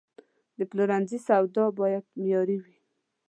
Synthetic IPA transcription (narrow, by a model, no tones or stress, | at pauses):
d̪əpluɾanzisawd̪ɑbɑjad̪̚mjɑɾiwi